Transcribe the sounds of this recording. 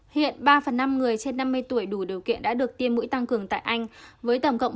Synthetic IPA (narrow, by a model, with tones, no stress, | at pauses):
hḭ˧˨ənɓaː˧fə˨˩nːa˧mŋɨ˨˩əjt͡ɕe˧nːa˧mːɨ˧əjt̪u˧˩əjɗu˧˩ɗi˨˩əwkḭ˧˨ənɗa̰ː˧˥ɗɨ˨˩ək̚t̪i˧əmːṵ˧˥jt̪a˧ŋkɨ˨˩əŋt̪a̰ː˧˨jʔa˧jŋ̟vəː˨˦jt̪ə˧˩wŋ͡mkə̰˧˨wŋ͡m